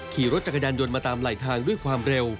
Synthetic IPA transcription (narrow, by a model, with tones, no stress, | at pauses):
kʰiː˨˩ɾo˦˥t̪̚t͡ɕa˧kʰa˧jaː˧njo˧nmaː˧t̪aː˧mlaː˨˩jt̪ʰaː˧ŋdu˥˩əjkʰwaː˧mɾe˧w